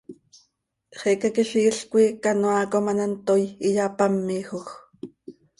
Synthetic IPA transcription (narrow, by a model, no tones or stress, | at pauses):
χɛkakiɬiːɬkʷikanoaːkomanant̪ojijapamːiːxox